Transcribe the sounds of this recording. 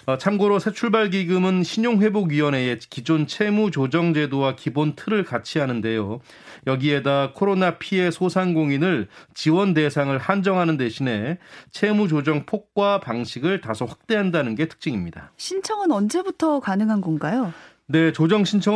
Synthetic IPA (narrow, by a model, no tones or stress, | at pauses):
ʌt͡ɕʰamɡoɾosʰet͡ɕʰuɭbaɭɡiɡɯmɯnɕʰiɲoŋɸwe̞boɡɥiwʌne̞ekid͡ʑont͡ɕʰe̞mut͡ɕod͡ʑʌŋd͡ʑe̞dowakibontʰɯɾɯɭkat͡ɕʰiɦanɯnde̞jo | jʌɡie̞dakʰoɾonapʰie̞sʰosʰaŋɡoŋinɯɭt͡ɕiwʌnde̞sʰaŋɯɭhand͡ʑʌŋɦanɯnde̞ɕʰine̞t͡ɕʰe̞mud͡ʑod͡ʑʌŋpʰok̚k͈wapaŋɕʰiɡɯɭtasʰʌɸwak̚t͈e̞ɦandanɯnɡe̞tʰɯ̥k̚t͡ɕ͈iŋimɲida̰ɕʰint͡ɕʰʌŋɯnʌnd͡ʑe̞butʰʌkanɯŋɦanɡʌnɡajo | ne̞t͡ɕod͡ʑʌŋɕʰint͡ɕʰʌ